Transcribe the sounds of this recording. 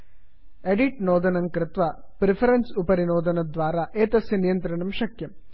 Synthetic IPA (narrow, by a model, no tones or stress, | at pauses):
eɽiʈnoːd̪ɐnɐmkɾɨt̪ʋɐ | pɾifɐɾɐnsupɐɾinoːd̪ɐnɐd̪ʋaːɾɐʔeːt̪ɐsjɐnijɐnt̪ɾɐɳɐmʃɐkjɐm